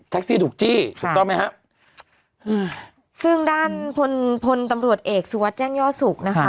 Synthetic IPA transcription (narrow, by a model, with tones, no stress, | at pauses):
t̪ʰɛ˦˥k̚siː˥˩t̪ʰuː˨˩k̚t͡ɕiː˥˩t̪ʰu˨˩kt̪ɔ˥˩ma˦˥jha˦˥ʔ | ʔɯː˧˩ | sɯ˥˩ŋdaː˥˩npʰo˧npʰo˧nt̪a˧mɾu˨˩ət̪̚ʔeː˨˩k̚su˧wa˦˥t̪̚t͡ɕɛː˥˩ŋjɔː˥˩su˨˩k̚na˦˥kʰa˦˥